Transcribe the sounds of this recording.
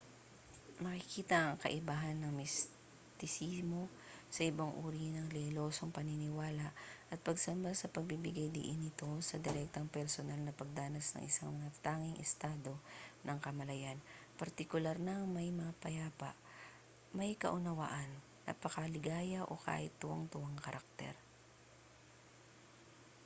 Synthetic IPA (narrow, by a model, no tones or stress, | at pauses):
nɐkɪkiːt̪ɐʔɐŋkɐ̰ʔɪbaːɦɐnːɐŋmɪs | t̪ɪsimo̞ | sɐʔɪbaŋʔuːɾinɐŋlɛlo̞ːsoŋpɐninɪwaːlaʔʔɐt̪̚pɐɡsɐmbasɐpɐɡ̚bibɪɡajd̪ɪ̰ʔɪnɪt̪o̞sɐd̪ɛɾɛk̚t̪ɐŋpɛɾsonalnɐpɐɡ̚d̪aːnɐsnɐ̰ŋʔɪ̰saŋmɐŋat̪aːŋɪŋʔɛst̪aːd̪o̞nɐŋkɐmɐlɐjanpɐɾt̪ɪkʊlaɾnɐŋmɐjmɐapɐjaːpa̰ʔ | mɐjkɐ̰ʔʊnɐwa̰ʔɐnːɐ̰pɐkɐlɪɡaːjɐʔo̰ka̰ːʔɪt̪̚ːʊaŋt̪ʊwaŋkɐɾʔak̚t̪ɛ̰ɾ